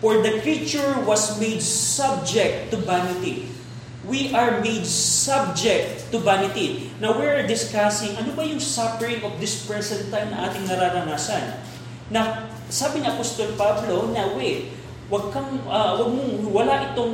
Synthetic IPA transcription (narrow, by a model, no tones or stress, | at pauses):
foɹd̪ɐkɹit͡ʃʊɹwɐsmejd̪sab̚d͡ʒɛk̚t̪ːʊbanɪt̪i | wiʔɐɹmejd̪sab̚d͡ʒɛk̚t̪ːʊbanɪt̪i | nɐwɪɹd̪ɪskasɪŋʔɐnobɐjʊŋsapɛɹɪŋofd̪ɪspɹɛsɛnt̪ajnɐ̰ŋʔaːt̪ɪŋnɐɾaːɾɐnaːsɐnː | ɐ | saːbɪniʔɐpost̪olpablo̞nɐwɛ | wɐɡ̚kɐŋɐwɐɡ̚mʊŋwɐlaʔɪt̪oŋ